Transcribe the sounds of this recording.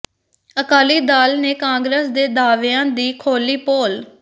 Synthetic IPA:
əkaːliːd̪aːlneːkãːŋɡɾəsd̪eːd̪aːʋeãːd̪iːkʰoːliːpoːl

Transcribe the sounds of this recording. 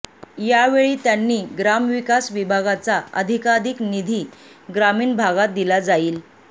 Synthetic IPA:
jaʋeɭiːt̪janːiːɡɾamʋikasʋibʱaɡat͡saəd̪ʱikad̪iknid̪ʱiː | ɡɾamiːɳbʱaɡat̪̚d̪ilad͡zaiːl

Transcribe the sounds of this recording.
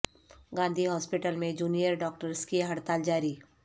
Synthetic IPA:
ɡãːnd̪ʱiɦɔːspɪʈəlmẽd͡ʒuːnijəɾɖɔːk̚ʈəɾskiɦɐɽt̪aːld͡ʒaːɾiː

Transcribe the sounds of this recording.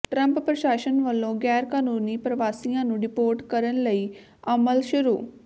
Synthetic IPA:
ʈɾə̃mppɾəʃaːʃənʋəlːõːɡɛːɾkaːnuːniːpɾəʋaːsiːãːnũːɖɪpoːɾʈkəɾənləiː | əməlʃʊɾṵː

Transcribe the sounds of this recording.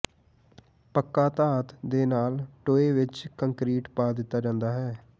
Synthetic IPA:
pəkːaːt̪aːt̪d̪eːnaːlʈoːeːʋɪt͡ʃkəŋkɾiːʈpaːd̪ɪt̪ːaːd͡ʒãːnd̪aːɦɛː

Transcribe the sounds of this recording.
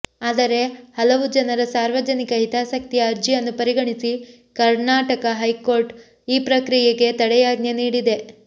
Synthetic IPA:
aːd̪ɐɾe̞hɐlɐʋud͡ʒɐnɐɾɐsaːɾʋɐd͡ʒɐnikɐɦit̪aːsɐk̚t̪ijɐːɾd͡ʒijɐnːupɐɾiɡɐɳisi | kɐɾnaːʈɐkɐɦɐjko̞ːɾʈ | iːpɾɐkɾijeɡe̞t̪ɐɽɛjaːɡnjɐniːɽid̪e̞

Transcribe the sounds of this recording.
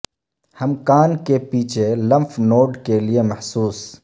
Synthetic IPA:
hɐmkaːnkepiːt͡ʃʰelɐ̃mpʰnoːɖkeliemɐhsuːs

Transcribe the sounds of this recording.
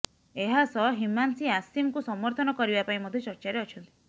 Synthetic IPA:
eɦasɔɦimansiasimkusɔmɔɾt̪ʰɔnɔkɔɾibapaĩmɔd̪ʱjɔt͡ʃɔɾt͡ʃaɾeɔt͡ʃʰɔnt̪i̥

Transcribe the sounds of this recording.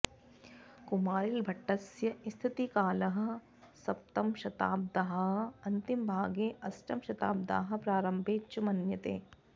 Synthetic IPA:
kumaːɾilbʱɐʈːɐsjɐist̪ʰit̪ikaːlɐɦɐ̆ | sɐp̚t̪ɐmʃɐt̪a̰ːb̚d̪aɦɐ̆ɐnt̪imbʱaːɡeːʔɐsʈɐmʃɐt̪a̰ːb̚d̪a̰ːɦɐ̆pɾaːɾɐmbʱeːt͡ʃɐmɐnjɐt̪ḛː

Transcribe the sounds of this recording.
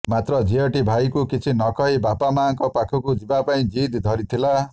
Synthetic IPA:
mat̪ɾɔd͡ʒiɔʈibʱajkukit͡ʃʰinɔkɔɦibapamaːŋkɔpakʰɔkud͡ʒibapaĩd͡ʒid̪d̪ʱʌɾit̪ʰila

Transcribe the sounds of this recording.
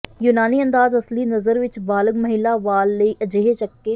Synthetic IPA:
junaːniːənd̪aːzɐsliːnəzəɾʋɪt͡ʃbaːləɡməɦɪlaːʋaːlːəiːʔəd͡ʒeːɦet͡ʃəkːeː

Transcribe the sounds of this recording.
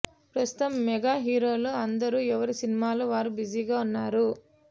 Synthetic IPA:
pɾɐst̪u̥t̪ɐmːɛɡaːɦiːɾo̞ːloːɐnd̪ɐɾuːɛʋɐɾisinimaːloːʋaːɾubid͡ʒiːɡaːunːaːɾu

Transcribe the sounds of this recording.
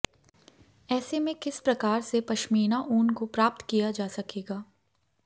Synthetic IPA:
ɛːsemẽkɪspɾɐkaːɾsepɐʃmiːnaʔuːnkopɾaːp̚t̪kijad͡ʒaːsɐkeːɡaː

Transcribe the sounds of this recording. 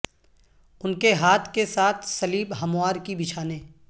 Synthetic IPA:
ʊnkeɦaːt̪ʰkesaːt̪ʰsɐliːbɦɐmʊaːɾkibɪt͡ʃʰaːneː

